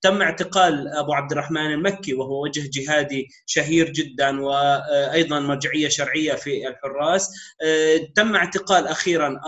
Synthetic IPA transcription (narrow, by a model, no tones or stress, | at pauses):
t̪amːɪʕt̪ɪqɑːlʔabuʕab̚d̪ɪrˤːɑħmaːnɪlmakːiwɪɦʊwːawad͡ʒhd͡ʒɪɦaːd̪i | ʃaɦiːɾd͡ʒɪd̪ːanwɪʔɑjðˤɑnmɑɾˤd͡ʒɪʕɪjːaʃɑɾˤʕɪjːafiɪlħʊrˤːɑːs | t̪amːɪʕt̪ɪqɑːlʔaxiːɾanʔ